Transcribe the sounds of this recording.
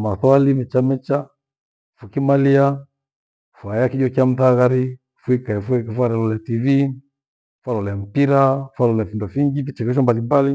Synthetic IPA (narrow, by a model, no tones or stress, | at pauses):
maθwalimɛt͡ʃamɛt͡ʃa | fukimalia | fuajakid͡ʒɔkiam̩θaɣaɾi | fuikaɛfuɛkfwaɾɛlɔlɛtivi | falɔlɛm̩piɾafalɔlɛfindɔfiŋɡifit͡ʃɛkɛʃ̬ɔmbalimbali